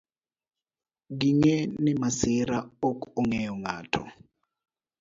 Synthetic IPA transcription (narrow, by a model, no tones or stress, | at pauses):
ɡiŋɛnɛmasiɾaok̬ʼuɔŋɛjɔŋaːtʰɔ̰